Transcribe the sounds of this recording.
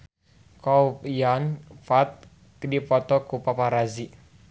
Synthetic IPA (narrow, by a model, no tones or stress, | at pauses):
kɔupjanfat̪̚ | kdipɔt̪ɔkupapaɾazi